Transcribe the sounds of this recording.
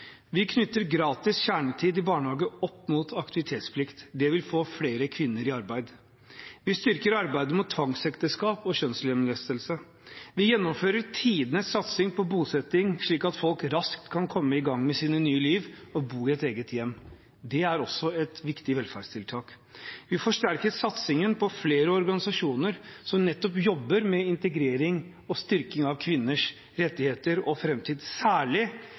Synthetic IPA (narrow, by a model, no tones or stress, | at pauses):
ʋɪkʰnʏt̪ːəɾɡɾɑːt̪ɪsçæːɳət̪ʰiːd̪ɪbɑːɳhɑːɡəɔpːmut̪ʰɑkt̪ɪʋɪt̪ʰeːt̪spʰlɪkt̪d̪ɛʋɪlfoːfleːɾəkʰʋɪnːəɾɪɑɾbæɪd̪ | ʋɪst̪ʏɾkəɾɑɾbæɪd̪əmʊt̪ʰːʋɑŋsɛkt̪əskɑːpɔɕœnsəlɛmlɛst̪əlsə | ʋɪjɛnːɔmføːɾəɾtʰiːd̪ənəssɑt̪sɪŋpʰɔbuːsɛt̪ːɪŋʂɭiːkɑt̪fɔlkɾɑskt̪kʰɑnkʰɔmːəɪɡɑŋmɛsiːnənyːəliːʋɔbuːɪɛt̪eːɡət̪jɛmː | d̪ɛæɾɔsːɔɛt̪ʋɪkt̪ɪʋɛlfæɖst̪ʰɪlt̪ʰɑːk | ʋɪfɔʂʈæɾkəɾsɑt̪sɪŋənpʰɔfleːɾəɔɾɡɑnɪsɑʂuːnəɾsɔmnɛt̪ːɔpjɔbːəɾmɛɪnt̪əɡɾeːɾɪŋ | ɔst̪ʏɾkɪŋɑʋkʰʋɪnːəʂ | ɾɛt̪ːɪheːt̪əɾɔfɾɛmt̪ʰiːd̪sæːɭɪ